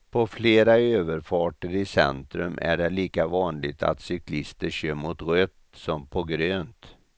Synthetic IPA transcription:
pʰɔfleːɾaøːvəɾfɑːʈəɾɪsɛ̰nt̪ɾɵmʔæ̰ɖɛliːkavɑːnlɪɡ̚t̪ʰa̰t̪sʏkʰlɪst̪əɕøːmʊt̪ɣøt̪sɔmpʰɔɡɾøːnt̪

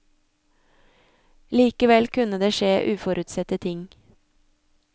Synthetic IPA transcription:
liːkəʋɛlkʰʉnəd̪eːʃeːʔʉːfɔɾʉt̪sɛt̪ət̪ʰɪŋ

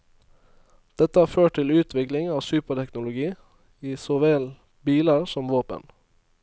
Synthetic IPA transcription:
d̪̥ɛt̪əæːføːʈ̚ʈt̪ɪlʉːt̪ʰʋɪklɪŋɑːsʉːpəʈɛknʊlʊɡiː | iːsoːʋeːl | biːləɾsɔmʋoːpə̰n

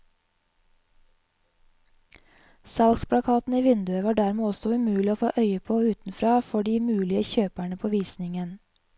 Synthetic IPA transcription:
sɑlkspʰɽɑkʰɑːt̪n̩iːʋɪnd̪ʉəʋɑːɖæɾmeːɔsɔʉmʉːlɪoːfo̰ːʔœʏəpʰoːʉːt̪n̩fɾɑːfɔɖiːmʉːlɪəçøːpæɳəpʰoːʋiːsnɪŋən

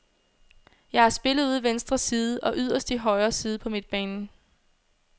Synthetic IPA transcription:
jɑ̈ɪhɑ̈sb̥e̝lð̩ˠuð̰ˠʋensd̥ʁɐsiːð̞̩ˠəɒ̽ʔyð̞̰ˠɐsd̥iɦɒ̽ɪɐːsiːð̞̩ˠpʰɒ̽mid̥̚b̥ɛːn

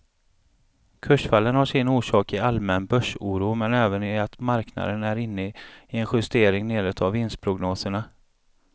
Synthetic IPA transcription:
kʰɵʂfalːənhaʂɪnuːʂɑːkɪalmɛnbœʂuːɾuːmɛnɛːvənɪat̪maɾkna̰d̪ənæɾɪnːəɪɛnɧɵst̪eːɾɪŋneːɾət̪ʰavːɪns̚pʰɾʊɡnoːsəɳa

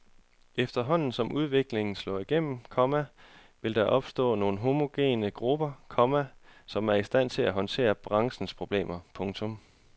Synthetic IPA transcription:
efd̥ɐɦɒ̽n̰n̩sɒ̽mʔuðˠʋe̝ɡ̥le̝ŋn̩slɔ̰̽ːiɡ̥em̰m̩kʰɒ̽mæ | ʋe̝ld̥ɑʔɒ̽b̥sd̥ɔ̰̽ːno̝ːn̩ɦo̝mo̝ɡ̥e̝̰ːnəɡ̥ʁub̥ɐkʰɒ̽mæsɒ̽mæɐisd̥æn̰t͡sʰe̝læɦɒ̽nt͡sʰe̝̰ːɐb̥ʁɑ̈ŋsn̩spʰʁo̝b̥le̝̰ːmɐpʰɔ̽ŋt͡sʰɔ̽m

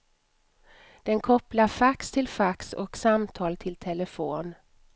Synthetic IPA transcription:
d̪̥ɛnkʰɔplafakst̪ʰɪlfaksɔ̰ksamt̪ʰɑːlt̪ʰɪlt̪ʰɛləfoːn

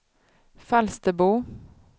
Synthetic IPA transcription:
falst̪əbuː

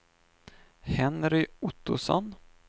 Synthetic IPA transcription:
hɛnɾɪʊt̪ːʊsɔ̰n

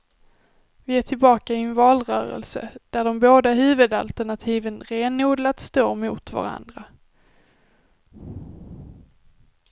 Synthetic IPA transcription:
vɪeːʈʰɪlbɑːkaɪnvɑːlɾœ̰ːɾə̰lsə̰d̪̥æɖɔmboːd̪aɦʉ̟ːvɵd̪a̰lt̪æɳat̪ʰiːvənɾeːnuːd̪lat̪st̪oːmuːt̪va̰ɾa̰nd̪ɾa

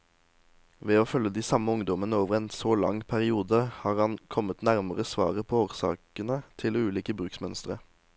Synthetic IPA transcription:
ʋeːoːfœləd̪iːsɑməʊŋd̪ɔmənəoːʋəʁɛːnsoːlɑ̰ŋpʰæʁɪuːd̪əhɑːʁɑnkʰɔmət̪næʁməʁəsʋɑ̰ːʁəpʰoːoːʁsɑ̰ːkənət̪ʰɪlʉːliːkəbʁʉːksmœnst̪əʁə

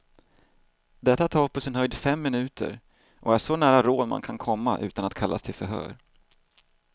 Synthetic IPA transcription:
d̪ɛt̪ːat̪ʰɑːpʰɔsɪnɦœjd̪fɛmːɪnʉ̟ːt̪ʰə̰ɾ | ʔɔæʂɔnæːɾaɾoːd̪ma̰nkʰankʰɔmːaʔʉ̟ːt̪anat̪kʰalːʔa̰st̪ʰɪlfœɾɦœ̰ːɾ

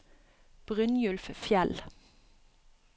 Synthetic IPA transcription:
b̥ʁʏnjʉlfəfjɛl

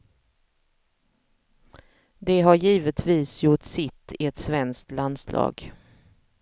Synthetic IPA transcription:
d̪ɛɦaɾjiːvət̪ʰviːsjʊʈsɪt̪ʰːɪɛt̪svɛnskt̪land̪slɑ̰ːɡ

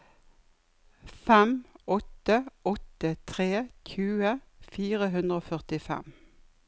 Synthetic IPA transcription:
fɛmɔt̪əʔɔt̪ət̪ʰʁeːçʰʉːəfiːʁəɦʉnd̪ʁəoːfœʁt̪ɪfɛ̰m

